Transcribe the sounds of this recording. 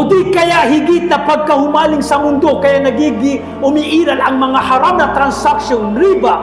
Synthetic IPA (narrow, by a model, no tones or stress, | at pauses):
ʊd̪ikɐjaɦɪɡɪt̪̚nɐpaɡ̚kɐhʊmaːlɪŋsɐmʊnd̪okɐjanɐɡiɡɪ | ʊmiʔiːɾalɐŋmɐŋahaɾamnɐt̪ɾansakʃonɾiba